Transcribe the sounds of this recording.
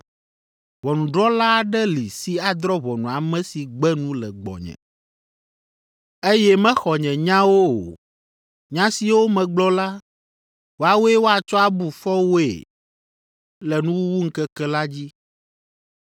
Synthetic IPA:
vɔ˨nũ˨ɖɾɔ˦la˦˨ɖɛ˦li˨si˦a˨d̪ɾɔ˦βɔ˨nũ˨a˨mɛ̃˦si˨ɡ͡bɛ˦nũ˦lɛ˨ɡ͡bɔ̰˨ɲɛ̰̃˨ | e˦jɛ˦mɛ̃˦xɔ˨ɲɛ̃˨ɲã˦wo˦o̰˨ | ɲã˦si˨wo˦mɛ̃˨ɡ͡blɔ˦la˦ | wo˦a˨wo˦ɛ˦wo˦a˨t͡ʃɔ˦a˨bu˨fɔ˦wo˦ḛ˨ | lɛ˨nũ˦wu˦wu˦ŋ̩˦kɛ˦kɛ˦la˦d͡ʑi˦

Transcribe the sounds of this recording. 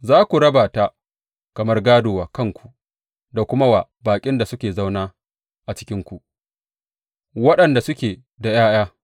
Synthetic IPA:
zaː˦kʷu˨ɽɐ˦baː˨ta˦ | kɐ˨mɐ˦rɡaː˦doː˨waː˨kɐ˦ŋkʷʰu̥˨ʔ | da˨kʷʊ˦ma˦waː˨baː˨kʲʼɪ˦nda˨sʊ˦kʲeː˨za˦wnaː˦ | ʔa˨t͡ʃɪ̥˦kʲɪ˦ŋkʷu˨ʔ | wɐ˦ɗɐ˨nda˨sʊ˦kʲeː˨ | da˨jaː˦j̰aː˦

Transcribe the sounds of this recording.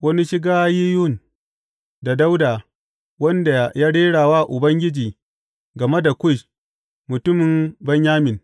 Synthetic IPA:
wɐ˦ni˦ʃɪ˦ɡaː˦ji˦jʊ˦˨n | da˨da˦wdaː˨ | wɐ˦nda˨jaː˦ɽeː˦ɽaː˨waː˦˨ʔʊ˨bɐ˦ŋɡʲɪ˦d͡ʒiː˨ | ɡɐ˨me˦da˨kʷʊ˦˨ʃ | mʊ˨tʊ˦mɪ˨mbɐ˦ɲjaː˦mɪ˨n

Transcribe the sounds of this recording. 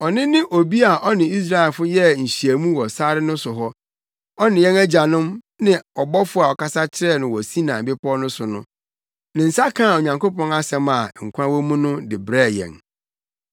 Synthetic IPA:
ɔ˨nɪ̃˦nɪ̃˦ʔo˨bi˦a˨ʔɔ˦nɪ̃˨i˦s̬ɾa˦ɛ˨lfʊ˦jɛ˦ɲ̩˨ɕi˨æ˨mũ˦wɔ˨sa˦ɾɪ˦nʊ̃˦sʊ˨ɦɔ˦ | ɔ˦nɪ̃˨jɛ̃˦næ˦d͡ʑa˨nʊ̃˦m | nɪ̃˦ɔ˨bɔ˦fʊ˦a˨ɔ˨ka˦sa˦t͡ɕʰɪ˦ɾɛ˦˨nɪ̃˨wɔ˨sĩ˦nã˨bɪ˦pɔ˦nʊ̃˦sʊ˨nʊ̃˦ | nɪ̃˨n̩˨sa˦kʰã˦˨o˨ɲã˨ŋko˦pɔ̃˦na˦sɛ̃˨ma˨ŋ̩˨kʷʰã˦wɔ˦mũ˦nʊ̃˦dɪ˨bɾɛ˦˨jɛ̰̃˨n

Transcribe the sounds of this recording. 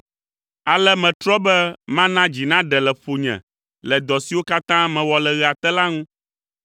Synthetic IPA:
a˨lɛ˦mɛ̃˨t̪ɾɔ˦bɛ˦mã˦nã˦d͡ʑi˨nã˦ɖɛ˨lɛ˨ɸo˨ɲɛ̰̃˨ | lɛ˨d̪ɔ˨si˨wo˦ka˦t̪ã˦mɛ̃˨wɔ˨lɛ˨ɣɛ˨a˨t̪ɛ˦la˦ŋũ˦

